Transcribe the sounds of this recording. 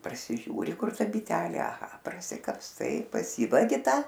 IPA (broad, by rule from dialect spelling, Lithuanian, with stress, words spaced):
prɐsʲɪˈʒʲuːrʲɪ ˈkʊr ˈtɐ bʲɪˈtʲæːlʲeː ɐˈɣɐ prɐsʲɪkɐpsˈtɐɪ pɐˈsʲiːʋɐɡʲɪ ˈtɐ